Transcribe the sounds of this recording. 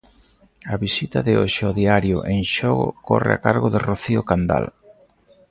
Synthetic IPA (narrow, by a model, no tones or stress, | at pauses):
ɐβisit̪aðɪoʃɪɔðiaɾjoʊʔeŋʃɔɣʊ̰kɔrḛa̰kaɾɣoðeroθiokand̪a̰l